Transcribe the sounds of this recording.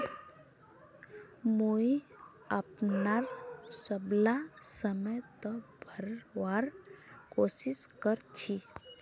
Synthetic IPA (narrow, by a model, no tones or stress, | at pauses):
muj | apnaɾsəblasəməjt̪ɔbʱəɾʋaɾkosiskəɾt͡ɕʰi